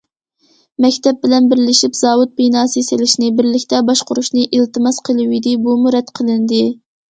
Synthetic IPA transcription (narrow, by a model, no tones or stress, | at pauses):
mɛkʲt̪ɛp̚bɪlɛnbɪɾɪlɪʃipz̥ɑːwut̪̚pinɑːsɨselɪʃnɪbɪɾlɪkʲt̪ʰɛbɑʃqʊɾuʃnɨʔilt̪ɨmɑsqʰəlˠɨwijd̪ɪbumuɾɛt̪qʰəlˠɨnd̪ɨ